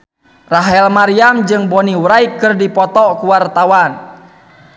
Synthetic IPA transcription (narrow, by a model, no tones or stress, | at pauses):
raɦɛlmaɾiamd͡ʒɨŋbɔniwɾaik̚kərdipɔt̪ɔkuwart̪awan